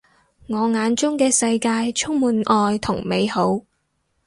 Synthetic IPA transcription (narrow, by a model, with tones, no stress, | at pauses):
ŋɔː˨˧ŋaː˨˧nt͡ʃʊ˥ŋkɛː˧sɐ˧jkaː˧jt͡ʃʰʊ˥ŋ̚muː˨nʔɔː˨˧jt̪ʰʊ˨˩ŋme˨˧jho˨˥w